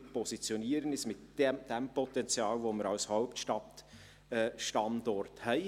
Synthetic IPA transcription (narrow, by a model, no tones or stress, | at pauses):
pʰɔsit͡sjoniːɾənɪsmɪtd̥d̥empɔtɛnt͡sjɑːlvoːməɾaʊshaʊptʃtɑt | ɛʃtɑndɔɾthœɪ